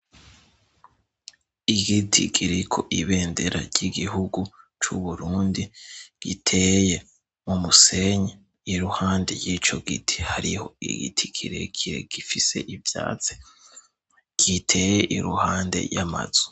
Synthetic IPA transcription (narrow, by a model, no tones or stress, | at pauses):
iɡitʰiɡiɾikʰo̞̰ʔiβe̞ːndeɾa̰ɾɟiɡiɦuɡut͡ʃuβuɾuːndiɡ̥itʰe̞je̞ | mumuse̞ɲe | iɾuhaːnde̞̰jiːt͡ʃo̞ɡitʰi̥haɾiho̞̰ḭɡḭtʰikʰiɾḛkʰiɾeɡ̥ifise̞̰ʔivja̰ːt͡si̥ | ɡ̥itʰe̞jeʔiɾuhaːnde̞̰jama̰z̥u̥